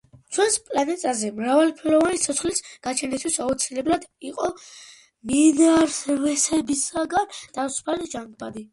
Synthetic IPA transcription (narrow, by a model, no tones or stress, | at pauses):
t͡ʃʰwɛnspʼlanɛt̪ʼazɛmɾavalpʰɛlɔvanit̪sʰɔt̪sχlisɡ̥at͡ʃʰɛnist̪ʰwisaut̪sʰilɛblad̪iqʼɔ | minɛaɾsɾvɛsɛbisaɡant̪ʰasu̥pʰalid͡ʒaŋɡbad̪i